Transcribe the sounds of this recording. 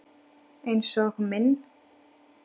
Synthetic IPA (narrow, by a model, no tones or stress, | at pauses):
ejnsɔɣmɪn